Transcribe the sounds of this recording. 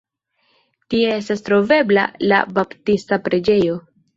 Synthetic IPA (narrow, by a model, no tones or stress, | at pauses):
tie̞e̞stastɾo̞ve̞bla̰la̰baptistapɾe̞d͡ʒe̞jo̞